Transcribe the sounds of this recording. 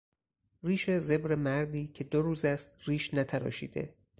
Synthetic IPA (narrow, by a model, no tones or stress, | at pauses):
riːʃe̞ze̞bɾe̞mæɾd̪iːcʰe̞d̪oɾuːzæst̪riːʃnæt̪ʰæɾɒ̰ːʃḭːd̪e̞̰